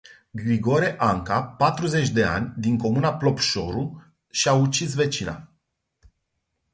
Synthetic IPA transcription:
ɡɾiɡo̞ɾeʔaŋkapat̪ɾuze̞t͡ʃʲd̪e̞a̰nʲd̪iŋko̞munaplo̞pʃo̞ɾu | ʃiaut͡ʃis̬ve̞t͡ʃina̰

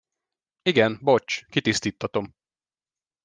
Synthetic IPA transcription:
iɡɛnbot͡ʃkit̪ist̪iːt̪ʰːɒt̪o̞m

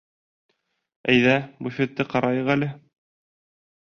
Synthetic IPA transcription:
æjðæbufʲet̪ːɘqɑɾʔɑjɤʁælɘ

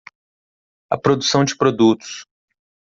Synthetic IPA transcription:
ɐ̰pɾod̪usɐ̃w̃d͡ʒɪpɾod̪ut̪ʊ̥s

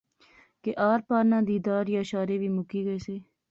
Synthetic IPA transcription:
keʔaːɾpaːɾnãːd̪iːd̪aːɾjaːʃaːɾeːbiːmʊkiːɡəeːseː

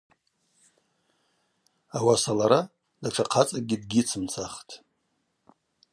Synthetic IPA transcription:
awasalaɾa | daʈ͡ʂʰaqʰat͡sʼaɡʲidɡʲit͡sʰɨmt͡sʰaχtʰʼ

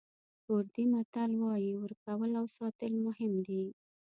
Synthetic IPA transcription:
oɾd̪imat̪alwɑjiwəɾkawəlawsɑt̪əlmʊhɪmd̪i

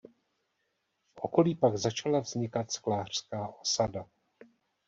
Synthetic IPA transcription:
fʔo̞̰ko̞liːpaɡzat͡ʃalavzɲɪkat̪sklaːr̝̥skaːʔo̞sada

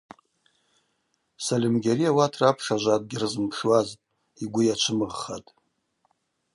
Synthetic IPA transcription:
salimɡʲeɾijawatʰrapʰʂaʒʷat̚ʼɡʲɪrɨzɨmpʰʂwaztʼ | iɡʷʊjat͡ʃʷʰɨmɨʁχatʼ

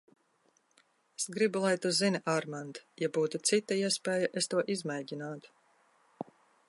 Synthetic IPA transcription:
esɡɾibulˠajt̪uzinʲiʔaɾmand̪jabuːt̪ut̪sit̪ːaiɛspʲɛːjaʔest̪uɔʔizmɛjɟʲinaːt̪u̥

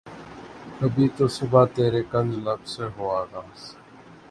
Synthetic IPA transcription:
kəbʱiːt̪oːsɪbʱaːt̪eːɾeːkənd͡ʒləbseːɦoːaːɡaːs

